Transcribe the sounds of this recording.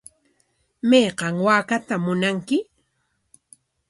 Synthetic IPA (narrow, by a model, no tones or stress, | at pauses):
mejqɑŋwaːkat̪amʊnaŋkɪ